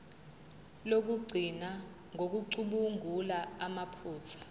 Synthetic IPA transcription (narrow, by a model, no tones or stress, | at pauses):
lok̬uɡ͡ǀʱina | ŋʱok̬uǀuɓuŋʱulaamapʰuːt͡sʰḁ